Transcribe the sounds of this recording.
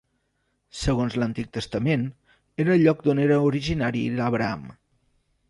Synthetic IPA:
səɣ̞onzlənt̪ik̚t̪əst̪əmen | eɾəʎɔk̚d̪oneɾəuɾiʒinaɾḭðəβɾəa̰m

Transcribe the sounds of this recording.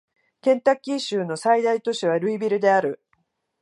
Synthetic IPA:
kẽ̞nt̪akʲːiɕɨːno̞said̪ait̪o̞ɕiβ̞aɾɯ̟ibʲiɾɯ̟d̪e̞aɾɯ̟

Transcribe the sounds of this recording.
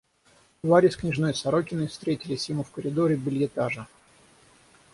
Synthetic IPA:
d̪vaɾʲɪsʲknʲɪʐno̞jsɐɾo̞kʲɪnɨfst̪ɾʲetʲɪlʲɪsʲjɪmufkəɾʲɪd̪oɾʲɪbʲɪlʲjʲɪt̪aʐə

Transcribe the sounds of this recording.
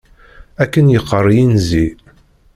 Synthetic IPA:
ækːənjəqːərˤːjinzi

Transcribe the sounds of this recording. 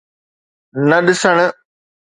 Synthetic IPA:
nɐɗɪsəɽ̃

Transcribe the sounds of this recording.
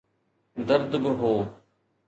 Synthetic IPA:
d̪əɾd̪bɪɦoː

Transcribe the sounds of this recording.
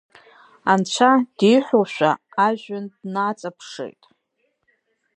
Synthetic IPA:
ant͡ɕʷʰad̥ijħʷᶣoʃᶣʷa̰ːʒᶣʊndnat͡sʼapʰʂḛjtʼ

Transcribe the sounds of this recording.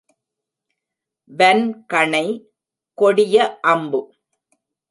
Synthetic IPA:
ʋɛnkɐɳɐɪ | kɔɽɪjɐʔɐmbɯ

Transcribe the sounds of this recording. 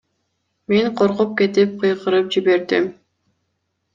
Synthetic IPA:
meŋqʰoɾqup̚ke̞t̪ip̚qʰɯjqɯɾɯp̚d͡ʒiβe̞ɾd̪ḭm

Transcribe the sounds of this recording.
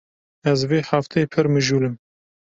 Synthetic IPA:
ɛzveːħaft̪ʰepʰɨɾmɨʒuːlɨm

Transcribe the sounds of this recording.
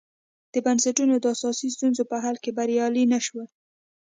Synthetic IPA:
d̪̥əbansaʈunod̪əasɑsist̪unzopəɦalkebaɾjɑlinaʃwə

